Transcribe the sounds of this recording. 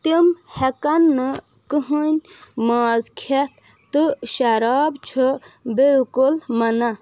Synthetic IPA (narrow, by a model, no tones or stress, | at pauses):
t̪imhekɐnːɨ | kɨɦənʲmaːzkʰet̪̚ʰ | t̪ɨʃɐɾaːbt͡ʃʰɨbilkulmɐna